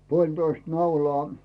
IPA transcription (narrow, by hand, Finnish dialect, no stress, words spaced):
puolʲtoist nɑulɑː